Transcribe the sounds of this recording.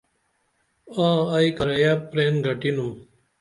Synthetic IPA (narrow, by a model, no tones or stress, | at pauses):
ãːɐikɐɾɐjaːpɾeːnɡʱɐʈinum